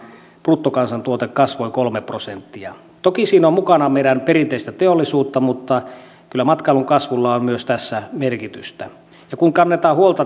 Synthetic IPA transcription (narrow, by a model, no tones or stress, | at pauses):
prut̪ːokɑnsɑnt̪uot̪ekkɑsʋoikolmeprosent̪ːiɑ | t̪okisiːnommukɑnɑmeiɾænperint̪eist̪æt̪eolːisuːt̪ːɑmut̪ːɑ | kylːæmɑt̪kɑluŋkɑsʋulːɑommyøst̪æsːæmerkit̪yst̪æ | jɑkuŋkɑnːet̪ɑːhuolt̪ɑ